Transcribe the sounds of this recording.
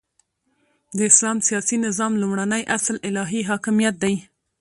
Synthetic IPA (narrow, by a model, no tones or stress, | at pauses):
d̪əɪslɑmsijɑsinɪzɑmlumɽanəjʔaslɪlɑɦiɦɑkɪmijat̪̚d̪aj